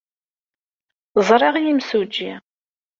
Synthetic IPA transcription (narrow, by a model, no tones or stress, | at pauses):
zˤɾˤɑʁjimsud͡ʒːi